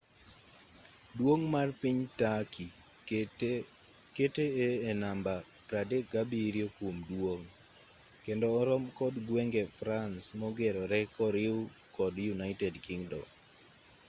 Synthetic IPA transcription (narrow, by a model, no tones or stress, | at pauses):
dwoŋmarpiɲtakʰi | keteeːnamba | pɾadekɡabiɾjokomdwoŋ | kendɔːɾɔmkɔdɡwɛŋɡɛfɾansmɔɡeɾɔɾɛkɔɾɪw | kɔdjunaitɛdkiŋdɔ̰